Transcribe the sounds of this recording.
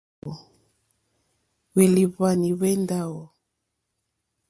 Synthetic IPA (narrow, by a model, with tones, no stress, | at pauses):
ɔ˨ | we˨li˨βa˦˨ni˨βɛ˦nda˦wɔ˨